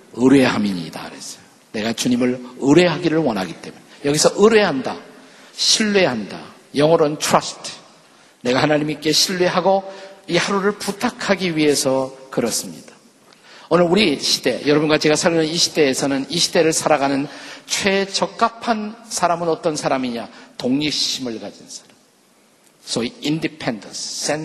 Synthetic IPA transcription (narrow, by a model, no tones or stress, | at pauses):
ɯɾwe̞ɦamiɲḭda̰ɾes͈ʌ̥jo | ne̞ɡat͡ɕuɲimɯɭɯɾe̞ɦaɡiɾɯɭwʌnɦaɡit͈e̞munejʌɡisʰʌʔɯɾwe̞ɦanda | ɕʰiɭːeɦanda̰ | jʌŋʌɾontʰɾʌsʰtʰ | ne̞ɡahanaɲimik͈e̞ɕʰiɭweɦaɡoihaɾuɾɯɭputʰakʰaɡiɥiɦe̞sʰʌkɯɾʌs͈ɯmɲḭd̥ḁ | ʌnɯɭuɾiɕʰid̥e̞̰jʌɾʌbunɡat͡ɕe̞ɡasʰaɾunɯniɕʰide̞ːsʰʌnɯniɕʰide̞ɾɯɭsʰaɾaɡanɯnt͡ɕʰwe̞t͡ɕʌk̚k͈apʰansʰaɾamɯnʌt͈ʌnsʰaɾamiɲatoŋɲik̚ɕimɯɭɡad͡ʑinsʰḁɾam | s͈ʌiindipʰendʌ̰ns͈en